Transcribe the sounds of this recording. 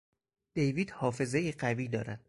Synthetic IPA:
d̪̥e̞jviːd̪hɒːfe̞zejiɢæviːd̪ɒːɾæ̰d̪̥

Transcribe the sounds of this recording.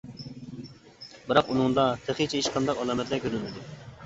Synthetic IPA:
bɪɾɑqunɨŋd̪ɑt̪ʰeχit͡ʃʰɛiʃqʰɑnd̪ɑqɑlˠɑːmɛt̪lɛkʲʰøɾɪlmɪd̪u

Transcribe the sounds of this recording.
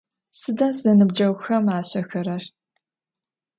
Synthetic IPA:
sɨdɐsɐnɨbd͡ʒɐwʷxɐmaːɕɐxɐɾɐr

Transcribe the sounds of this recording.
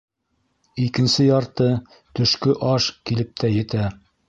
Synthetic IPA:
ikɘ̆nsɘjɑɾt̪ɤ | t̪ɵ̆ʃkɵʔɑʃkilɘp̚t̪ʰæjɘ̆t̪æ

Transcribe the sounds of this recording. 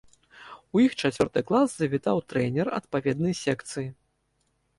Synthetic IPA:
ujixt͡ʂat͡sʲvʲɔrt̪ɨklˠaszɐvʲit̪awt̪ɾɛnʲɛrɐ̰t̪pavʲɛd̪̚nɨjsʲɛkt̪sɨji

